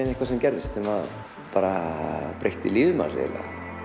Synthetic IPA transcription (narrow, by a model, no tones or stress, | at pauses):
nehkvas̬ɛmcɛɾðɪst̪sɛmað | paːɾapɾejht̪ɪliːðʏma̰ḛla̰